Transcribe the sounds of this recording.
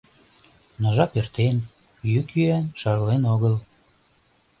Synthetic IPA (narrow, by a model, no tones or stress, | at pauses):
nɤʒɑpert̪en | jykjyænʃɑɾlenoɣəl